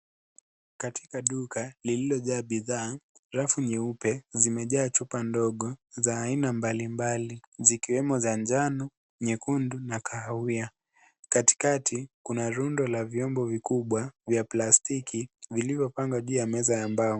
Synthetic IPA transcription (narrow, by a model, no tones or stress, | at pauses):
katʰikaɗukalililɔʄaːɓiðaː | ɾafuɲɛupɛzimɛʄaːt͡ʃupandɔɠɔzaːinambalimbalizikiwɛmɔzand͡ʒanu | ɲɛkundunakaahia | kati̥katʰikunaɾundɔlavjɔmbɔvikuɓwavjaplastikʰivilivjɔpaŋɡwaʄuːjamɛzajambaɔ